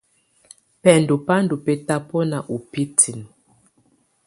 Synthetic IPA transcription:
pɛ˨ndu˨pa˦ndu˨pɛ˦ta˦pɔ˦na˨ʔu˨pi˦tʰi˨n

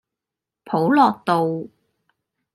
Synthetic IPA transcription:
pʰo˨˥wlɔː˨˩k̚t̪o˨w

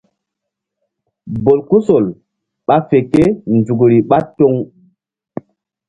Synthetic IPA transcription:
bo˨lku˦so˨l | ɓa˦fe˨ke˦nd͡zu˨ɡɾi˨ɓa˦to˦ŋ

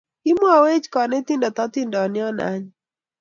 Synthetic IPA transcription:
i˦mwa˨we˦t͡ʃkɔ˨nɛ˦t̪i˦ndɔ˨t̪ɔ˦t̪ɪ˦ndɔ˨nɪ˦ɔ˦na̰˦ɲ

